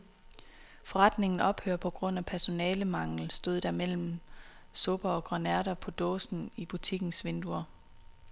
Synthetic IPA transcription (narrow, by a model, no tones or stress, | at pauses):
fɒ̽ʁɑ̈d̥ne̝ŋn̩ɒ̽b̥hø̰ːɐpʰɒ̽ɡ̥ʁɔ̽n̰æpʰæɐso̝nɛːləmɑ̈ŋ̰l̩sd̥o̝ðˠd̥æmel̰m̩ | sɔ̽b̥ɐɒ̽ɡ̥ʁɑnæɐɾɐpʰɒ̽d̥ɔ̰ːsn̩ib̥ut͡sʰiɡ̥n̩sʋe̝nd̥uɐ